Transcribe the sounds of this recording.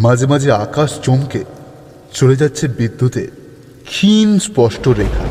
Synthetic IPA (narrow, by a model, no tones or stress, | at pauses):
mad͡ʑʱemad͡ʑʱeakaʃt͡ɕomke | t͡ɕoled͡ʑatːɕʰeɾbid̪ːut̪e | kʰinspɔʃʈoɾekʰa̰